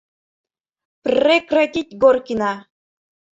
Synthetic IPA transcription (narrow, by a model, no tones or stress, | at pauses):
prʲekratʲit̪̚ʲɡorkʲinɑ